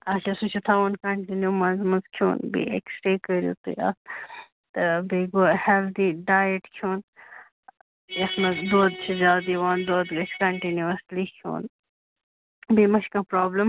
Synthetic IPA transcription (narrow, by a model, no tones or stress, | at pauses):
aːʈɐsut͡ʃʰut̪ʰaʋɐnkɐɳʈinjumɐnzmɐnzkʰjo̰ːnbḭḛksʈɾekəɾjṵt̪ɨ̰ɐ̰s | t̪ɐbeːɡoːheld̪iːɖaːjəʈkʰoːn | ɐsmɐzd̪oːd̪t͡ʃʰizaːd̪iʋaːnd̪oːd̪ɡɐt͡ʃʰkɐɳʈinjuɐslikʰjo̰ːn | bimɐʃkãːpɾoːbləm